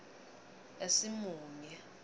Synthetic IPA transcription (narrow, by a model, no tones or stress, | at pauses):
esimuːŋɛ